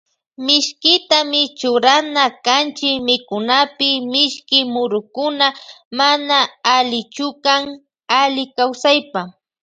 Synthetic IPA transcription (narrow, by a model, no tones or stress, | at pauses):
mɪʃkɪt̪amɪt͡ʃʊɾanakant͡ʃɪmɪkʊnapɪmɪʃkɪmʊɾʊkʊnamanaalɪt͡ʃʊkaŋ | alɪkawsajpa